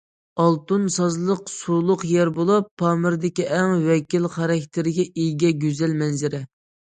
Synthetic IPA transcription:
ɑlˠt̪unsɑzlˠəqsulˠʊqjɛɾbolˠɑpʰːɑːmɨɾd̪ɪkʲiʔɛŋwɛkʲilχɑɾɑkʲt̪ʰɪɾɪɡʲɛʔijɡʲɛɡʲøzɛlmɛnzɪɾɛ

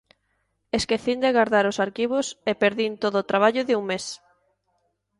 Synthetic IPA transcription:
eskeθind̪eɣaɾðaɾosaɾkiβ̞ʊsepeɾðint̪oðoːt̪ɾaβ̞aʎʊðɪuŋmes

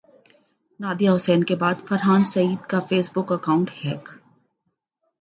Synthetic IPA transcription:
naːd̪ijaɦʊsɛːnkebaːd̪fɐɾɦaːnsɐiːd̪kafeːsbʊkɐkaːʊ̃ɳʈhɛːk

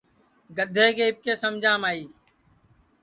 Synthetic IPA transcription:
ɡəd̪ʱeːkʰeːɪp̚keːsəmd͡ʒʱãːmaːiː

